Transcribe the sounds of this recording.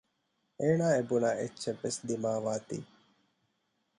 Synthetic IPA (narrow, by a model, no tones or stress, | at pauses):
eːnaːebunaʔetːʃeʋːesd̪imaːʋaːt̪ḭː